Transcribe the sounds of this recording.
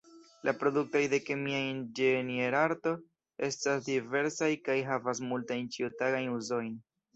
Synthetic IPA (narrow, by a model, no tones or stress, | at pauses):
lʔapɾo̞duk̚tojde̞kemiaind͡ʒenie̞ɾaɾto̞ | e̞stasdive̞ɾsajkajɦavas̬multajnt͡ʃiutaɡajnuzo̞jn